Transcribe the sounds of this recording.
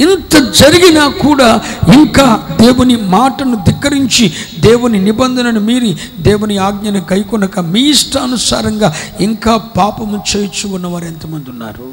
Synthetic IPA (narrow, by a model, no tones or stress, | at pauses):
int̪ɐd͡ʒɐɾiɡinaːkuːɽaːiŋkaːd̪eːwunimaːʈɐnud̪ikːɐɾiɲt͡ʃid̪eːwuninibɐnd̪ʱɐnɐnumiːɾi | d̪eːwuniaːɡɲɐnɐɡɐjkɔnɐkɐmiːjiʂʈɐɐnusa̰ːɾɐŋɡaːiŋkaːpaːpɐmut͡ʃeːjɐt͡ʃuunːɐʋaːɾɐnt̪ɐmund̪unːa̰ːɾu